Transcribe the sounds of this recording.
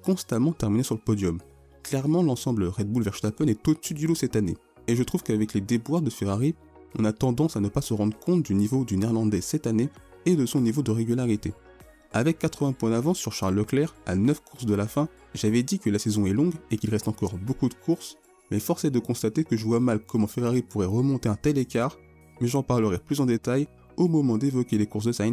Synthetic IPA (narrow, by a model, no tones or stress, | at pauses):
kɔ̃st̪amɑ̃t̪ɛʁminesyʁləpɔd̪jɔm | klɛʁmɑ̃lɑ̃sɑ̃bləʁɛd̪̚bulvɛʁʃt̪apɛnɛt̪oəsyd̪ylosɛt̪anḛ | eʒət̪χuvkavɛkled̪ebwaʁd̪əfeʁaʁi | ɔ̃nat̪ɑ̃d̪ɑ̃sanəpasəʁɑ̃d̪ʁəkʰɔ̃t̪̚d̪ynivod̪yniʁlɑ̃d̪ɛsɛt̪ane | ed̪əsɔ̃nivod̪əʁeɡʲylaʁit̪e | avɛkːat̪χəvɛ̃pwɛ̃d̪avɑ̃syʁʃaʁlːəklɛʁa̰nœfkʰuʁsd̪əlafɛ̃ | ʒavɛd̪ikəlasɛzɔ̃ɛlɔ̃ɡekʲilʁɛst̪ɑ̃kɔʁbokud̪əkʰuʁs | mɛfɔʁsɛd̪əkɔ̃st̪at̪ekəʒəvwamalkɔmɑ̃feʁaʁipuʁɛʁəmɔ̃t̪eɛ̃t̪ɛlekʲaːʁ | mɛʒɑ̃paʁləʁɛplyzɑ̃d̪et̪aj | omɔmɑ̃d̪evɔkʲelekuʁsd̪əsajn